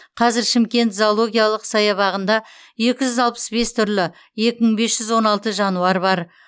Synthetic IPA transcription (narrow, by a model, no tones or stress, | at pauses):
qʰɑzɪɾʃɪmkʲe̞nt̪zoolˠo̞ɡʲijalˠəqsɑjɑβɑʁənd̪ɑ | je̞kʲɪʒʏzɑlˠpə̥sbe̞st̪ʰʏɾlɪ | je̞kʲɪməɴbe̞sʒ̥ʏzwo̞nɑlˠt̪əʒɑnuɑɾbɑɾ